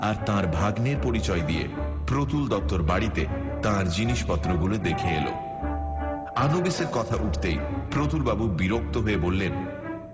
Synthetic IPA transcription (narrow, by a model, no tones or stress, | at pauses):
aɾt̪ãɾbʱaɡneɾpoɾit͡ɕɔed̪iḛpɾot̪uld̪ɔk̚t̪ːoɾbaɽit̪e | t̪ãɾd͡ʑiniʃpɔt̪ːɾoɡulod̪ekʰeḛlo̰ | anobiseɾkɔt̪ʰaʔuʈʰt̪ḛjpɾot̪ʰulbabubiɾok̚t̪oɦoebolːen